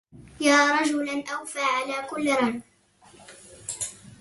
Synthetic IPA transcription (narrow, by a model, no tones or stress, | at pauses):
jaːɾˤɑd͡ʒʊlanʔawfaːʕalaːkʊlːɾˤɑn